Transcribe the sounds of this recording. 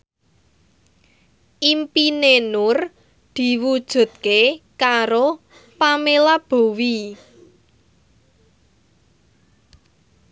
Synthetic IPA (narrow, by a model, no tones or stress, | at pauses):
ʔimpinenʊr | d̪̥i̤wud̥ʒ̥ṳt̪̚kekaɾo | pamelab̥o̤wi